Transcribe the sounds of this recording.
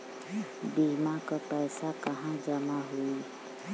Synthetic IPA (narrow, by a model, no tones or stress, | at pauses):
biːmakapɛːsakɐɦãd͡ʒəmaɦui